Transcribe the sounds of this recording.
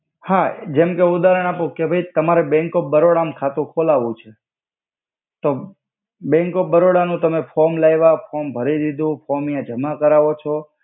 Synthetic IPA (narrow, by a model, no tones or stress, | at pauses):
had͡ʒɛmkeʊd̪aɾəɽ̃apokebʱəit̪əmaɾebɛ̃ŋkobəɾoɽamkʰat̪ũkʰolaʋũt͡ʃʰe | t̪o | bɛ̃ŋkop̚bəɾoɽanũt̪əmefʰɔɾmlajʋafʰɔmbʱəɾid̪id̪ʱũfɔmijãd͡ʒəmakəɾaʋot͡ʃʰɔ